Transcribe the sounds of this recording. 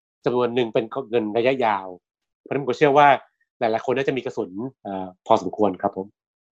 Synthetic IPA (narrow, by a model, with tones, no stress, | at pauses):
t͡ɕa˧mnu˧ənːɯ˨ŋpe˧nkʰŋɤ˧nɾa˧ja˦˥jaː˧wʰ | kːt͡ɕʰɯ˥˩ɐwaː˥˩ | laː˨˦jla˨˦jkʰo˧nːaː˥˩t͡ɕa˨ʔmiː˧ka˧su˩˦nʔaː˨˩pʰɔː˧so˩˦mkʰu˧ənkʰa˦˥pʰːo˨˩˦m